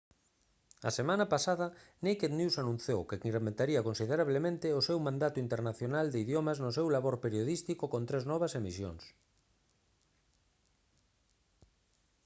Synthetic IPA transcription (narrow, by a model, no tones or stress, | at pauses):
ɐ̰semãnɐpasaðɐnejkeðnjusanũn̟θjowkekirement̪aɾiɐkonsið̞eɾaβlemẽnt̪ɪʊsewmãnd̪at̪ʊint̪eɾnaθjonald̪ɪiðjomɐznʊs̬ewlaβoɾpeɾjoðist̪ikokont̪ɾeznɔβ̞ɐsemisjo̰ŋs